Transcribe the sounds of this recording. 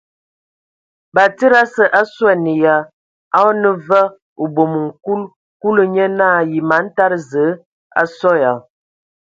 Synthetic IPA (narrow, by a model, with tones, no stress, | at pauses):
ba˨tə˦ɾa˦sə˨ʔa˦swɛ˦nə˨ja˨ | a˦nə˦və˦ | o˨bo˨mə˨ŋ̩˨ku˦l | ku˦lə˦ɲə˦na˦˨ji˨ma˨˦n̩˦ta˦ɾzə˨˦ | a̰˦sɔ˦ja˨